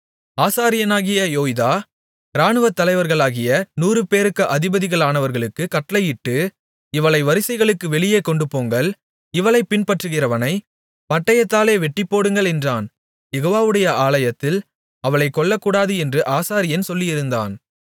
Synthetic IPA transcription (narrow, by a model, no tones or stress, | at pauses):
aːsaːɾɪjɐnaːɣɪjɐjoːjðaː | ɪɾaːɳɯʋɐt̪ːɐlɐɪʋɐɾɣɐɭaːɣɪjɐnuːɾɯpeːɾɯkːɐʔɐðɪbɐðɪɣɐɭaːnɐʋɐɾɣɐɭɯkːɯkɐʈːlɐɪjɪʈːɯ | ɪʋɐɭɐɪʋɐɾɪsɐɪɣɐɭɯkːɯʋɛɭɪjeːkɔɳɖɯpoːŋɡɐɭ | ɪʋɐɭɐɪpːɪnpɐʈrɯɣɪɾɐʋɐnɐɪ | pɐʈːɐjɐt̪ːaːleːʋɛʈːɪpːoːɽɯŋɡɐɭɛndraːn | jɛɣoːʋaːʋɯɽɐjɐʔaːlɐjɐt̪ːɪl | ɐʋɐɭɐɪkːɔɭːɐkːuːɽaːðɯɛndrɯʔaːsaːɾɪjɐnsɔlːɪjɪɾɯnd̪a̰ːn